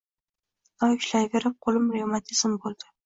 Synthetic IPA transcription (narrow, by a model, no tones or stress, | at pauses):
nɒwʊʃlajveɾɪp̚qʰolˠɪmɾeomat̪ʰɪz̥ɪmbolˠd̪̥ɪ̥